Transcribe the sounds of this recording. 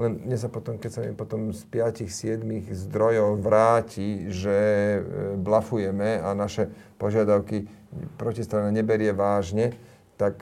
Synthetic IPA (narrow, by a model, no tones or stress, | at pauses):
lɛnɲɛsapɔt̪ɔmkɛcsamipɔt̪ɔmspɪacixsɪɛd̪miɣzd̪ɾɔjɔʊʋɾaːciʒɛ | blafujɛmɛanaʃɛ | pɔʒɪad̪aʊki | pɾɔcist̪ɾanɛɲɛbɛɾɪɛʋaːʒɲɛ | t̪ak